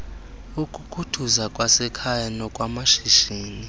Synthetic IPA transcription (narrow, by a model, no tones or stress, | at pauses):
ukʼukʰutʰuzakʼwasɛkʰajanɔkʼwamaʃiʃiːni